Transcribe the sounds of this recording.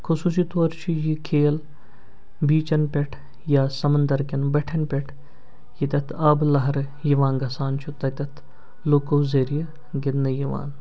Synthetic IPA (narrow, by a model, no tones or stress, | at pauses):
kʰusuːs̬it̪oːɾt͡ʃʰijikʰeːl | biːt͡ʃɐnpʲeʈʰ | jaːsɐmɐnd̪ɐɾkinbɐʈʰɐnpʲeʈʰ | jit̪ʲɐt̪ʰɐːblɐɦɐɾ | jiʋãːnɡɐsaːnt͡ʃʰut̪ɐt̪ʲɐt̪ʰ | loːkoːzeːɾijɐ | ɡɪd̪nɐjiʋa̰ːn